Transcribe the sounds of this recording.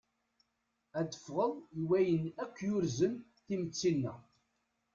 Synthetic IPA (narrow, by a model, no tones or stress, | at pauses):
æd̪ə̥fʁəðˤiwæjənækːjʊɾzən | θimət͡sːinːæ̰